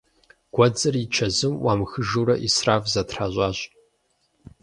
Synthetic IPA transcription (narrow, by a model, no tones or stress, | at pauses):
ɡ̥ʷɔd͡zɨrit͡ʃʰɐzɨmwʔaːmxɨʒuːɾɐ̰ʔḭsraːvzɐtʰħaːʑʷʼaːɕʼ